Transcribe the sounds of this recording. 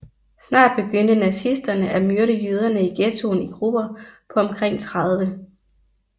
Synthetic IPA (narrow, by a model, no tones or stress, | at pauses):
snɑ̰̈ːd̥̚b̥e̝ɡ̥øn̰d̥ənæsisd̥ɐnəʔæmyɐɾəjyð̞ˠɐnəiɡ̥et͡sʰo̝niɡ̥ʁub̥ɐpʰɒ̽ɒ̽mkʰʁeŋ̰t͡sʰʁɑð̞ˠʋə